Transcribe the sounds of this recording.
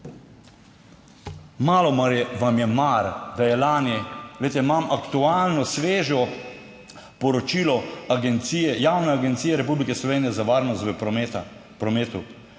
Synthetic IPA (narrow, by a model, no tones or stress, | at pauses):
malɔmaɾjɛʋamjɛmaɾd̪ajɛlaːnilejt̪ɛimamʔakt̪ualnɔsʋeːʒɔ | pɔɾɔt͡ʃilɔaɡɛnt̪sijɛjawnɛaɡɛnt̪sijɛɾɛpublikɛslɔʋeːnijɛzaʋaːɾnɔst̪ʋə | pɾɔmeːt̪u